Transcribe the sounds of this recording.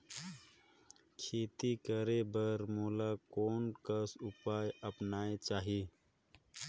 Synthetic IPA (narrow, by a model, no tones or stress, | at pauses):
kʰeːt̪ikəɾebəɾmoːlakoːnkəsʊpaːjəpnaːet͡ʃaːɦi